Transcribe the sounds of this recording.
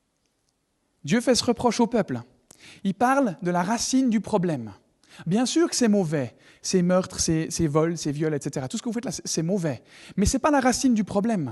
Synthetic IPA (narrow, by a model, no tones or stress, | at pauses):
d̪jøfɛsəʁəpχɔʃopœpl | ilpaʁld̪əlaʁasind̪ypχɔblɛm | bjɛ̃syːʁkə̥sɛmɔvɛ | semœʁt̪χsesevɔlsevjɔlɛt̪set̪eʁat̪usəkəvufɛt̪lasɛsɛmɔvɛmɛsɛpalaʁasind̪ypχɔblɛm